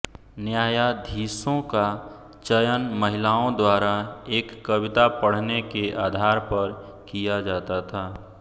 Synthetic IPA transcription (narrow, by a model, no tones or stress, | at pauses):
njaːjad̪ʱiːsõka | t͡ʃəjənmɐɦɪlaːõd̪waːɾaeːkːɐwɪt̪apəɽ̤nekeʔaːd̪ʱaːɾpɐɾ | kijad͡ʒaːt̪at̪ʰaː